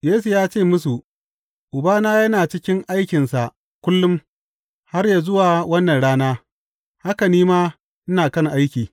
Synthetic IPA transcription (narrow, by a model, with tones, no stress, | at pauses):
jeː˦su˨jaː˦t͡ʃeː˦˨mʊ˦s̬u˨ʔ | ʔʊ˨baː˦naː˦jɐ˦naː˨t͡ʃɪ˦kʲɪ˦ŋʔa˦jkʲɪ˨nsa˨ʔ | kʷʊ˦lːʊ˦m | ha˦rjaː˨zʊ˦waː˨wɐ˦nːɐ˨nɽaː˦naː˦ | ha˦kɐ˨niː˦maː˦ | ʔɪ˦naː˨kɐ˦ŋʔa˦jkʲiː˨